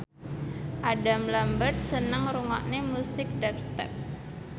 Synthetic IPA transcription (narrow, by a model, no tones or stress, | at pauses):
ʔadamlambərt̪̚sənəŋruŋɔ̰ʔnemusɪk̚dɛp̚st̪ɛ̰p̚